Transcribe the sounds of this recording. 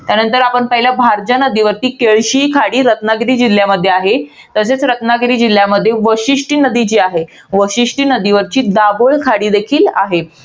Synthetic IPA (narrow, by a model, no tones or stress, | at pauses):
t̪janənt̪əɾapəɳpəɦiljabʱaɾt͡ɕanəd̪iːʋəɾt̪iːkeɭɕiːkʰaɽiːɾət̪naɡɾiːd͡ʑil̤ːjaməd̪ʱːjeaɦe | t̪əset͡sɾət̪naɡɾiːd͡ʑil̤jaməd̪ʱːjeʋəɕiʂʈiːnəd̪it͡ɕiːaɦe | ʋəɕiʂʈiːnəd̪iʋəɾt͡ɕiːd̪abəɭkʰaɽiːd̪ekʰiːla̰ɦe